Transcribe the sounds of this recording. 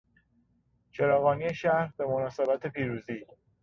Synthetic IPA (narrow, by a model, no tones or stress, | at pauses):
t͡ʃʰe̞ɾɒːɣɒːnije̞ʃæɾhbe̞monɒːsebæt̪ʰe̞pʰiːɾuːziː